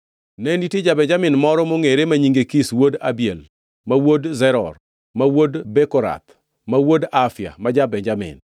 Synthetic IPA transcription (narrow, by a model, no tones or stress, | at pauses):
nɛnditjid͡ʒabɛɲd͡ʒamɪnmɔɾɔmoŋeɾemaɲiŋɡekiswodabiɛl | mawodzɛɾɔ̰r | mawodbɛkɔɾa̰t̪ | mawodafja̰mad͡ʒabɛɲd͡ʒamɪ̰n